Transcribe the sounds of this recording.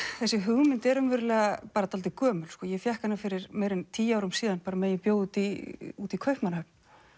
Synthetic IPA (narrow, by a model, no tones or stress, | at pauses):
θɛsːɪɦʏɣmɪnt̪ɛɾʏmvɛɾʏlɛɣapaːɾat̪ʰalt̪ɪkœːmʏlskɔːjɛfjɛhkanːafɪɾɪɾmeːjɾɪnt̪ʰiːjaːwɾʏmsiːðanpaːɾameːjɪpjoːwut̪iuːt̪ikʰœɥhpmanahœp̚n